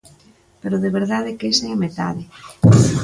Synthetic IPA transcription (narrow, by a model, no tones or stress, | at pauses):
peɾoðeβeɾðaðekeseamet̪a̰ðɪ